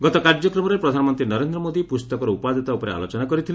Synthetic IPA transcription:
ɡɔt̪ɔkaɾd͡ʒɔkɾɔmɔɾepɾɔd̪ʱanɔmɔnt̪ɾinɔɾend̪ɾɔmod̪ipust̪ɔkɔɾɔupad̪ʱit̪aupɔɾea̰lot͡ʃɔnakɔɾit̪ʰil

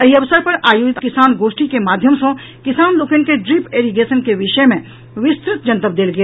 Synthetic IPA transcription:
ɐɦiɐʋsəɾpɐɾaːjoːd͡ʒɪt̪kɪsaːnɡoːʃʈikemaːd̪ʱjəmsõ | kɪsaːnloːkənɪ̆keɖɾipeːɾiɡeːsənkeʋɪʃəemẽ | ʋɪst̪ɾɪt̪d͡ʒɐ̃nt̪əb̚d̪eːlɡɐeː

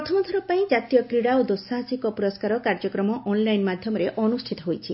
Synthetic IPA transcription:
ɾɾɔt̪ʰɔmɔt̪ʰɔɾɔpaĩd͡ʒat̪ijɔkɾiɽaod̪osaɦasikɔpuɾɔskaɾɔkaɾd͡ʒɔkɾɔmɔʔɔnlajnmad̪ʱjɔmɔɾeʔɔnusʈʰit̪ɔɦojt͡ʃʰi

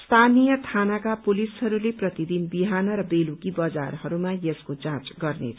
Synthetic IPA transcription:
st̪ʰanijʌt̪ʰanakapulisɦʌɾuleprʌt̪id̪inbiɦanʌɾʌbelukibʌd͡za̰rɦʌɾumajeskot͡sãt͡sɡʌrnḛt͡sʰ

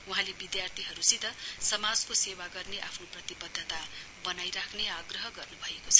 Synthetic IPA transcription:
uɦãlebid̪jart̪ʰiɦʌɾusit̪ʌsʌmad͡zkosewaɡʌrneʔa̰pʰnoprʌt̪ibʌd̪ʱːʌt̪a | bʌnajɾakʰneaɡrʌɦʌɡʌrnubʱʌekot͡sʰʌ

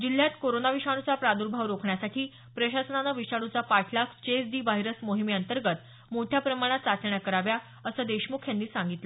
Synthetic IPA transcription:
d͡ʑil̤ːjat̪koɾonaʋiɕaɽ̃ut͡sapɾad̪uɾbʱaʋɾokʰɳjasaʈʰiː | pɾəɕasənanaʋiʂaɽ̃ut͡sapaʈʰlakt͡ɕesd̪iːʋaɦiɾəsmoɦimiənt̪əɾɡət̪ | moʈʰjapɾəmaɽ̃at͡sat͡ɕəɳjakəɾaʋja | əsəd̪eɕmukʰjanːiːsaŋɡit̪lə

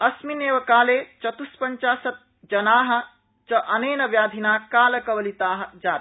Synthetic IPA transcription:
ɐsmineːʋɐkaːleːt͡ʃɐt̪uspɐɲt͡ʃaːsɐt̪̚ | d͡ʒɐnaːɦɐ̆ | t͡ʃɐʔɐneːnɐbjaːd̪ʱinaːkaːlɐkɐʋɐlit̪aːɦɐ̆d͡ʒaːt̪

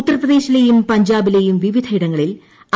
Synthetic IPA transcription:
ut̪ːɐrprɐðe̞ːɕilejumpɐɲd͡ʑaːbile̞jumʋiʋid̪ʱɐiɽɐŋːɐɭil

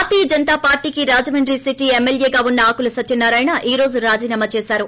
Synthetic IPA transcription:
aːt̪iːɐd͡ʒɐnt̪aːpaːɾʈiːkiɾaːd͡ʒɐmɐɳɖɾisiʈiemːeljeːɡaːunːɐaːkulɐsɐt̪jɐnːaːɾaːjnɐʔiːɾo̞ːd͡ʒuɾaːd͡ʒiːnaːmɐt͡ʃe̞ːsaːɾu

